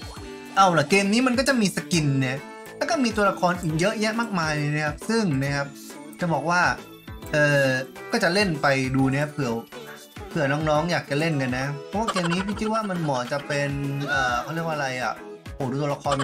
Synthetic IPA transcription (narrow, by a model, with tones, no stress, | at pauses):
ʔa˧˩wla˧˩keː˧mniː˦˥ma˧nk̬ɔː˥˩t͡ɕa˨˩ʔmiː˧sa˧ki˧nːɛ˧˩ | lɛː˦˥kɔː˥˩miː˧t̪̬u˧ɐla˧kʰɔː˧nʔiː˨˩k̚jɤ˦˥ʔjaː˥˩maː˥˩k̚maː˧jlɤː˧na˦˥kʰa˦˥p̚sɯ˥˩ŋna˦˥kʰa˦˥p̚ | t͡ɕa˨˩bɔː˨˩k̚waː˥˩ | ʔɤː˨˧kɔː˥˩t͡ɕa˨˩le˥˩npa˧jduː˧na˥pʰɯ˨˩˦w | pʰɯ˨˩ɐnɔː˦˥ŋnɔː˦˥ŋjaː˨˩k̚t͡ɕa˨˩le˥˩nka˧nːa˦˥pʰɔ˦˥waː˥˩keː˧mniː˦˥pʰiː˥˩t͡ɕʰi˧˥waː˥˩ma˧nmɔː˨˩˦t͡ɕa˨˩pe˧nʔɤː˨˩kʰa˥˩˨li˥˩ək̚ʔa˧ɾa˧jʔa̰˨˩ʔ | hoː˨˩duː˧t̪u˧la˧kʰɔː˧n